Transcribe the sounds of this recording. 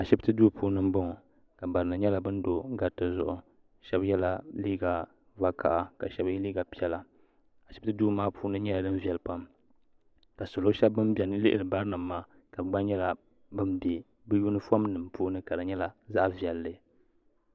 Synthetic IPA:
a˨ʃɛ˦btɨ˦duː˦puː˦nɨ˦m˦bɔ˦ŋ˨ | ka˨ba˨ɾɨ˨nɨ˨ɲɛ˦la˨bɨ˦n˦do˨ŋ˦ɡa˨tːɨ˨zʊ̰˦˨ʔʊ˨ | ʃɛ˦bjɛ˦la˦liː˦ɡa˨ | va˦kʰa̰˨ʔa˨ka˨ʃɛ˦bjliː˦ɡa˨pi˦ɛ˦la˨ | a˨ʃɪ˦btɨ˦duː˦maː˦pʰuː˦nɨ˦ɲɛ˦la˨dɨ˦n˦vɛ˨lpa˦m | ka˨sʊ˨lo˦ʃɛ˦bːɨ˦mbɛ˨nɨ˦lɨ˦ʔɪ˨lɨ˨ba˦ɾɨ˦nɨ˨maː˦ | ka˨bɡ͡ba˦ɲɛ˦la˨ | bɨ˦mbe˨ | bɨ˦ju˦nɨ˦fo˦m˦nɨ˨mpuː˦nɨ˦ka˨ɾɨ˨ɲɛ˦la˨za˦ʔvi˨ɛ˨lːɨ˨

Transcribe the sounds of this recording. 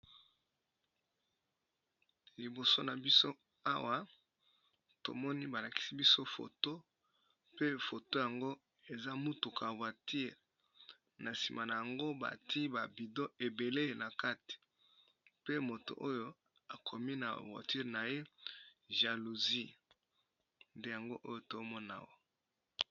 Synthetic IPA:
li˨bo˨so˦na˨bi˦so˦ | a˦wa˦ | to̰˨mɔ˦ni˦ba˨la˨ki̥˨si˦bi˦so˦fo̰˨to˦ | pe˦fo˨to˦ja˨ŋɡo˦ | e˨za˦mu˦tu˨kʰa˨vwa˨tʰi˦˨ʁ | na˨si˨ma˨na˨ja˨ŋɡo˦ba̰˨tʰi˦ba˨bi˨do˦e˨be˨le˦˨na˨ka˦ti̥˨ | pe˦mo˨to̰˨ʔo˦jo˦ | a˨kʰo˨mi˦na̰˨vwa̰˨ti˦ʁna˨je˦ | ʒa˨lu˨zi˦ | nde˦ja˨ŋɡo˦ʔo˦jo˦to˨˦mɔ˦na̰˨˦wa˦˨

